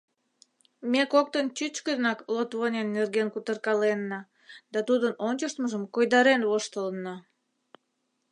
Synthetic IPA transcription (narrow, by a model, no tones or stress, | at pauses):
mekok̚t̪ənt͡ɕyt͡ɕkənɑklot̪βonʲenːerɣenkut̪ərkɑlenːɑ | d̪ɑt̪ud̪ənonʲt͡ɕəʃt̪məʒəmkojd̪ɑɾenβoʃt̪ələnːɑ